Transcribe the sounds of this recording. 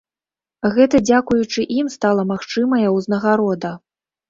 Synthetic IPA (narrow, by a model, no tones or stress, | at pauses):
ɣɛt̪ɐd͡zʲakujut͡ʂɨʔimst̪alˠɐmaxt͡ʂɨmɐjɐwznɐɣaɾɔd̪ɐ